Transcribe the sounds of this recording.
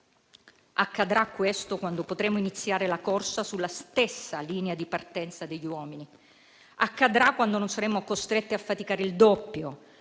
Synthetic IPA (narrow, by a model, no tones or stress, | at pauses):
akːad̪ɾakːwest̪okwand̪opot̪ɾɛːmoinit̪sːjaːɾelakorsasulːast̪esːaliːnead̪ipart̪ɛnt̪sad̪eʎːiwɔːmini | akːad̪ɾakːwand̪ononsaɾɛːmːokost̪ɾet̪ːiafːat̪ikaːɾeild̪ɔpːjo